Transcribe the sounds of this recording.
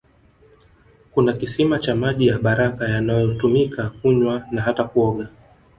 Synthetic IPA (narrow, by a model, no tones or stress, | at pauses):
kunakisimat͡ʃamaʄijaɓaɾakajanajɔtumikʰakuɲwanaɦatakuɔɠa